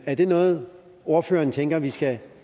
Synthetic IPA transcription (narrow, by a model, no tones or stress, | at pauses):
æɐd̥e̝nɔ̽ːð̞̩ˠ | o̝ɐfø̰ːɐːnt͡sʰeŋ̰ɡ̥ɐʋisɡ̥æ